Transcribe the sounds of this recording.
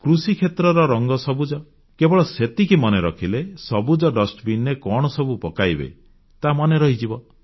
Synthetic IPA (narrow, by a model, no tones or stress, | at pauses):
kɾusikʰet̪ɾɔɾɔɾɔŋɡɔsɔbud͡ʒɔ | kebɔɭɔset̪ikimɔneɾɔkʰilesɔbud͡ʒɔɖɔsʈbinekɔɽ̃ɔsɔbupɔkajbḛ | t̪amɔneɾɔɦid͡ʒibɔ